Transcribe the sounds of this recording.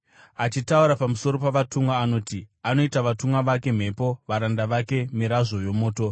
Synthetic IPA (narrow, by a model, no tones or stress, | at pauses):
at͡ʃitauɾapamuso̞ɾo̞paʋatumwaːno̞ːtiano̞itaʋatumwaʋake̞m̤e̞po̞ʋaɾandaʋake̞miɾaʐo̞jo̞mo̞ːto̞